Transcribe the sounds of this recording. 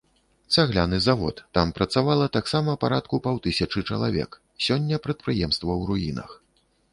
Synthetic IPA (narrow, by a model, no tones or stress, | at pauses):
t̪saɣlʲanɨzavɔ̰t̪ːampɾɐt̪savalˠɐt̪aksamɐpaɾat̪̚kupawt̪ɨsʲɐt͡ʂɨt͡ʂɐlˠavʲɛ̰k | sʲɔnʲːɐpɾɐt̪̚pɾɨjɛmst̪vɐwɾujinɐ̰x